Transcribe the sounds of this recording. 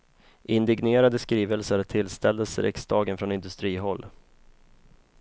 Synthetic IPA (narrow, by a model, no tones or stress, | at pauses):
ʔɪnd̪ɪɡneːɾad̪əskɾiːvəlsəɾt̪ʰɪlst̪ʰɛld̪əsəɾʔɛ̰ksd̪ɑːɡənfɾɔnɪnd̪ɵst̪ɾiːɦɔlː